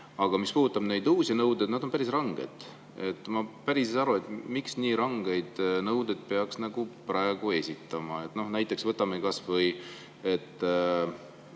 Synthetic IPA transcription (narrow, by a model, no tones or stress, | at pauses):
ɑɡ̥ɑmispuːh̪ut̪ˑːɑb̥ne̞jd̪uːsʲinɤwd̪e̞d̪nɑd̪o̞npæɾisrɑŋɡ̥e̞̰d̪̥ | e̞t̪ːˑmɑpæɾiseɑɾue̞t̪miksniːɾɑŋɡ̥e̞jd̪̥nɤwd̪e̞d̪̥̚pe̞ɑksnɑɡ̥upɾɑe̞ɡ̥ue̞sʲit̪ˑːɑmɑe̞t̪ːˑno̞hnæjt̪ːˑe̞ksvɤt̪ːˑɑmekɑsvɤj | et̪ːˑ